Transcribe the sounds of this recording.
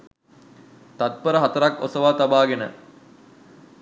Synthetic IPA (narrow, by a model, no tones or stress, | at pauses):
t̪at̪̚pəɾəɦat̪əɾako̰səʋaːt̪abaːɡenə